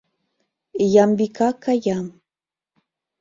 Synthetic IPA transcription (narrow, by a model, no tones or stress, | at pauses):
jambikakajam